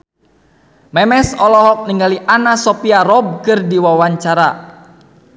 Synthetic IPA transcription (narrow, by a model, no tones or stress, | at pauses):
mɛmɛsɔlɔɦɔk̚niŋɡaliʔanasɔpiaɾɔb̚kɨrdiwawaɲt͡ʃaɾa